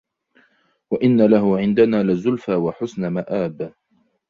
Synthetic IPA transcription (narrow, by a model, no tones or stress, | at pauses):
waʔɪnːalaɦʊʕɪnd̪anaːlɪzʊlfaːwaħʊsnamaʔaːb